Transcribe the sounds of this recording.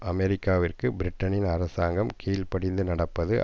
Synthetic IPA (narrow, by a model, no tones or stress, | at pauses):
ɐmɛɾɪkːaːʋɪrkɯbɪɾɪʈːɐnɪnɐɾɐsaːŋɡɐmkʰiːlpɐɽɪnd̪ɯnɐɽɐpːɐðɯ